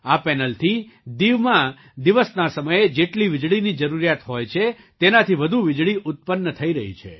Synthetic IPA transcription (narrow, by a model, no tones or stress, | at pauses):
apɛnəlt̪ʰi | d̪iʋmã | d̪iʋəsnasəməjed͡ʒeʈliʋɪd͡ʒɭinid͡ʒəɾuɾijat̪ɦojt͡ʃʰe | t̪enat̪ʰiʋəd̪ʱuʋɪd͡ʒɭiʔʊt̪̚pənːət̪ʰəiɾəɦḭt͡ʃʰḛ